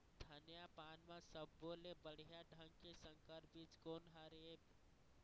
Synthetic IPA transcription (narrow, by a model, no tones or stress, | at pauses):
d̪ʱənjapaːnmãsəb̚ːoːlebəɽ̤ijaɖʱə̃ŋɡkesə̃ŋkəɾbid͡ʒkoːnɦaɾeeb